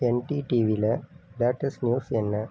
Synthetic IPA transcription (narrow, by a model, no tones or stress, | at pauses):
enʈiʈiːʋilebaːʈːɐsnjuːsenːɐ